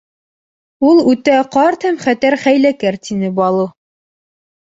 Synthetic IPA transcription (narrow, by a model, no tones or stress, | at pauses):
ulˠʉt̪æqɑɾt̪hæmχæt̪æɾχæjlækæɾt̪inɘbɑlˠɤ